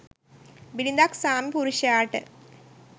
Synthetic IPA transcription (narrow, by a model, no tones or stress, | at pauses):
bilind̪aːksaːmipuɾuɕaːʈːɨ̰